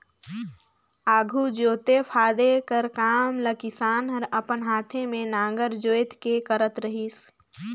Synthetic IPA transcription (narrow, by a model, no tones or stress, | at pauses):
aːɡʱud͡ʒoːt̪epʰaːd̪ekəɾkaːmləkɪsaːnɦəɾəpənɦaːt̪ʰemẽnãːŋɡəɾd͡ʒoːjt̪kekəɾət̪ɾəɦiːs